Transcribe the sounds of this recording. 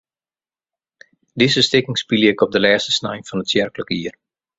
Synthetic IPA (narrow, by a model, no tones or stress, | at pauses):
dɪzəstɪkɪŋspiljəɪkɔp̚dəlɛːstə̥snajnfɔnətsjɛrkləkiːər